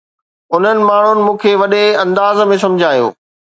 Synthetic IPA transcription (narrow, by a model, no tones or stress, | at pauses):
ʊn̤ənɪ̆maːɳ̤ʊnɪ̆mũːkʰeʋɐɗeɐ̃nd̪aːzmẽsɐmd͡ʑʱaːjo̰ː